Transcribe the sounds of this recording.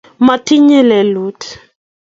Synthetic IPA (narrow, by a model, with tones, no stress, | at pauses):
ma˨tʰi˦ɲɛ˦lɛ˨luː˦tʰi̥˨